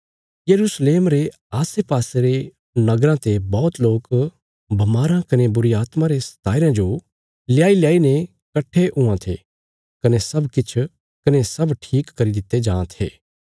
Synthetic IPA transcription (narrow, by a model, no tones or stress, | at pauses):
jɐɾuːsleːmɾe | aːsepaːseɾe | nɐɡɾãt̪ebɔːt̪loːk | bʱɐmaːɾãkɐnebʊɾiaːt̪mãɾesɐ̥t̪aːɪɾãd͡ʒo | lɪjaːiljaːinẽ | kɐʈʰːeʔʊãt̪ʰḛː | kɐnesɐbkɪt͡ʃʰ | kɐnesɐbʈʰiːkːɐɾid̪ɪt̪ːed͡ʒãːt̪ʰḛː